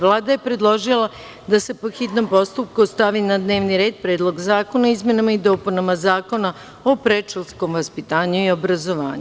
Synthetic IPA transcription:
ʋlˠaːd̪aje̞pɾe̞d̪lˠo̞ʒilˠa | d̪ase̞poxit̪no̞mpo̞st̪up̚kust̪aʋinad̪ne̞ːʋniɾe̞ːd̪̚pɾeːd̪lˠo̞ɡzaːko̞naizme̞namaid̪o̞ːpunamazaːko̞na | opɾet͡ʂolsko̞mʋaspit̪aːɲuio̞bɾazo̞ʋa̰ːɲu

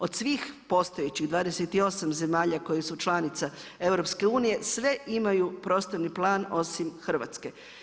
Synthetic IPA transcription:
o̞d̪sʋiːxpo̞st̪o̞jet͡ɕiɣd̪ʋaːd̪e̞set̪io̞samze̞maːʎako̞jisut͡ʃlˠanit̪sae̞ʋɾo̞pske̞uːnije̞sʋe̞ʔimajupɾo̞ːst̪oɾniplˠaːno̞simxr̩ʋa̰t̪ske̞

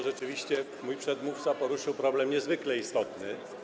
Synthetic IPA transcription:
ʐɛt͡ʂɘvʲiɕt͡ɕɛ | mujpʂɛd̪muft̪sapɔɾuʂɘwpɾɔblɛmɲɛzvɘklɛist̪ɔt̪nɘ

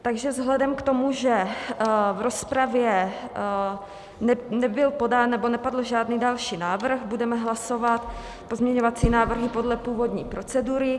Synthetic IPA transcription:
t̪aɡʒɛvzɦlɛdɛmkt̪o̞muʒɛ | vɾo̞spɾavjɛ | nɛnɛbɪlpo̞danːɛbo̞nɛpadl̩ʒaːdniːdalʃiːnaːvr̩xbudɛmɛɦlaso̞vat̪ | po̞zmɲɛɲo̞vat͡siːnaːvr̩ɦɪpo̞dlɛpuːvo̞dɲiːpɾo̞t͡sɛduɾɪ

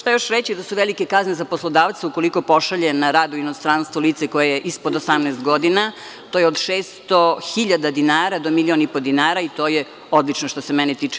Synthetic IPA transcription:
ʃt̪ajoʃɾet͡ɕid̪asuʋelikekaznezaposlˠod̪aːʋt̪seuko̞liko̞po̞ʃaʎenaɾaːd̪uinost̪ɾanst̪ʋoliːt̪seko̞jejeʔispod̪osamnɛːst̪ɡo̞d̪ina | t̪oːjeod̪ʃeːst̪oxiʎad̪ad̪inaːɾad̪o̞milʲionipo̞d̪inaːɾait̪oːje | od̪lˠit͡ʃnoʃt̪osemɛnit̪iːt͡ʃe̥

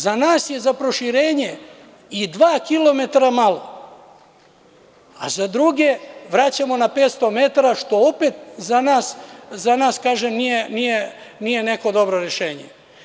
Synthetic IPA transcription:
zanaːsje̞zapɾo̞ʃiɾeːɲe | id̪ʋaːkilˠo̞me̞t̪aɾamalo̞ | a̰zad̪ɾuɡe̞ʋɾat͡ɕamo̞napeːt̪st̪o̞me̞t̪aɾaʃt̪o̞opet̪̚zanaːszanaːskaːʒemnijenijenijene̞ko̞d̪o̞bɾo̞ɾeʃe̞ːɲḛ

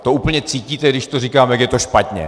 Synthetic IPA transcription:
t̪o̞ʔuːpl̩ɲɛt͡siːciːt̪ɛɡdɪʃt̪orikaːmjaɡkjɛt̪o̞ʃpat̪ɲɛ̰

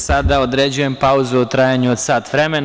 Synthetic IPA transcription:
sad̪aod̪ɾed͡ʑuje̞mpauzuot̪ɾaːjaɲuod̪saːt̪ʋɾe̞men

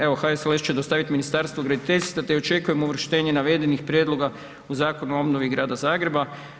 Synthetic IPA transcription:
eʋo̞xaeselest͡ʃed̪ost̪aʋit̪minist̪aːɾst̪ʋoɡɾad̪it̪e̞ʎʲsat̪eo̞t͡ʃe̞kujemuʋr̩ʃt̪e̞ːɲenaʋe̞d̪e̞nixpɾjeːd̪lˠo̞ɡa | uzaːko̞nuo̞bnoʋiɡɾaːd̪azaːɡɾe̞ba

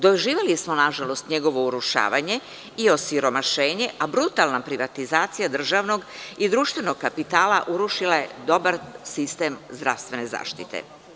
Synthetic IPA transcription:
d̪oʒiːʋelismonaʒalo̞st̪ɲe̞ɡo̞ʋo̞uɾuʃa̰ːʋaɲe̞ | io̞siɾo̞maʃeːɲe̞ʔabɾut̪alˠnapɾiʋat̪izaːt̪sijad̪r̩ʒaʋno̞ɡid̪ɾuːʃt̪ʋe̞no̞ɡ̚kapit̪aːlaʔuɾuʃilaje̞d̪o̞baɾsist̪e̞mzd̪ɾa̰fst̪vʋe̞ne̞za̰ːʃt̪ḭt̪ḛ

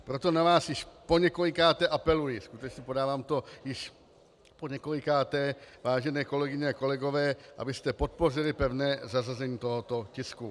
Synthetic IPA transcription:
pɾot̪o̞navaːsjɪʃpo̞ɲɛko̞lɪkaːt̪ɛʔapɛlujɪskut̪ɛt͡ʃɲɛpo̞daːvaːmt̪o̞jɪʃ | poɲɛkolɪkaːt̪ɛvaːʒɛnɛːko̞lɛɡɪɲɛako̞lɛɡo̞vɛːʔa̰bɪst̪ɛpo̞t̪̚po̞r̝ɪlɪpɛvnɛːzarazɛɲiːt̪o̞ɦot̪o̞cɪsku

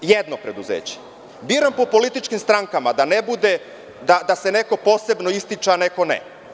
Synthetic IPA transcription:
jed̪nopɾed̪uzḛːt͡ɕe̥ | biːɾampo̞po̞lit̪it͡ʃkimst̪ɾaŋkamad̪anebud̪e | d̪ad̪ase̞ne̞ko̞po̞ːse̞bno̞ist̪it͡ʃaaneko̞nḛ

